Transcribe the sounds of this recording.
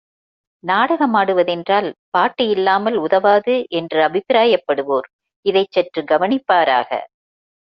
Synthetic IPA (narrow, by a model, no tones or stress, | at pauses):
naːɽɐɣɐmaːɽɯʋɐðɛndraːlpaːʈːɪjɪlːaːmɐlʊðɐʋaːðɯʔɛndrɯɐbʱɪpɪɾaːjɐpːɐɽɯʋoːɾ | ɪðɐɪt͡ʃːɛʈrɯɡɐʋɐnɪpːaːɾa̰ːɣɐ̰